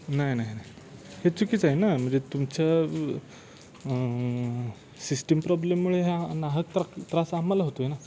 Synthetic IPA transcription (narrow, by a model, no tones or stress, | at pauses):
najnajnaj | het͡sukiːt͡saɦjnam̤əɳd͡zet̪umt͡ɕja | sisʈəmpɾɔblemːuɭeɦenaɦəkt̪ɾat̪ɾasamːalaɦot̪oɦena